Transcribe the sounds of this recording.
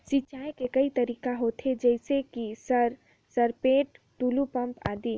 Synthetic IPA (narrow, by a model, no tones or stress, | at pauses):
sit͡ʃaːekekɐit̪ɐɾiːkaɦoːt̪ʰed͡ʒɛɪsekisəɾ | sɐɾpeːʈ | ʈuːlupɐ̃mpa̰ːd̪iː